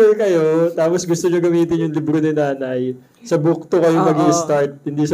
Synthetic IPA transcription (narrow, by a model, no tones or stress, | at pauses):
ɛkɐjo̞t̪aːposɡʊst̪oɲoɡɐmiːt̪ɪnjʊŋlɪbɾonɪnaːnɐj | sɐbʊk̚t̪okɐjomɐɡiʔɪst̪aɹt̪̚hɪnd̪iːsɐ